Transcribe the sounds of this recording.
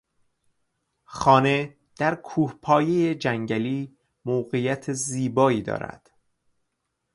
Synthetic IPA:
xɒːne̞ | d̪̥æɾkʰuːhpʰɒːje̞jed͡ʒæŋɟæliː | mowɣejæt̪ʰeziːbɒːiːd̪ɒ̰ːɾæ̰d̪̥

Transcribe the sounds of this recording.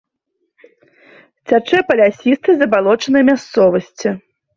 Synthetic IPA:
t͡sʲat͡ʂɛpɐlʲasʲist̪ɨzɐbalˠɔt͡ʂɐnɨjmʲast̪sɔvɐsʲt͡sʲi

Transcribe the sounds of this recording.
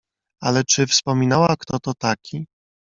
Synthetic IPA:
a̰lɛt͡ʂɘfspɔmʲinawakt̪ɔt̪ɔt̪akʲi

